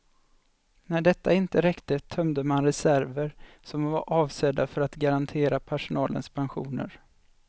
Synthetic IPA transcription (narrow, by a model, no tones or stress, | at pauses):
næɖɛt̪ːaɪnt̪əɾɛkt̪ət̪ʰœmd̪əmanɾɛsæɾvəɾ | sɔmvaʔɑːvsɛd̪afœɾat̪ɡaɾant̪ʰeːɾapʰæʂʊnɑːlə̰nspʰanɧṵːnə̰ɾ